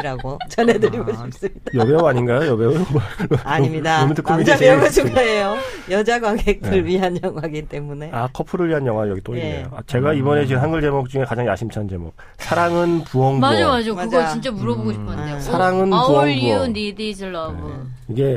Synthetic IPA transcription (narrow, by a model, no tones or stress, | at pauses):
ɾaɡot͡ɕʌnedɯɾiɡʌɕʰip̚s͈ɯmɲid̥ajʌbewaɲinɡajojʌbeɯː | ɲimɲidaomitʰɯkʰomiaɡʌɕʰiɡaejojʌd͡ʑaɡwaŋɡek̚t͈ʰɯɭɥiɦanjʌŋwaɡint͈e̞mune̞akʰʌpʰɯɾɯɭɥiɦanjʌŋwaɡijʌɡit͈oinḛjo̰at͡ɕe̞ɡaibʌne̞t͡ɕiɯmɦanɡɯɭd͡ʑe̞mok̚t͡ɕ͈uŋe̞kad͡ʑaŋja̰ɕʰimt͡ɕʰand͡ʑe̞mo̰k̚ | sʰaɾaŋɯnpuʌŋbmad͡ʑamad͡ʑomaɯd͡ʑʌt͡ɕint͡ɕ͈amuɾʌboɡoɕʰi̥pʰʌesʰaɾaŋɯnpuʌŋbuʌonedesɯɭːaɡo | iɡe̞